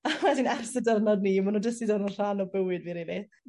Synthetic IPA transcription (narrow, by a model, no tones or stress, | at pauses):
amatiːnɛrsədərnɔdnimanudəsidɔnanr̥anɔbəwɨdviːɾiːli